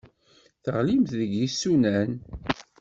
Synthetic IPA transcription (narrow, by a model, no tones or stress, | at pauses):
θəʁlimθðəɡjisːunæn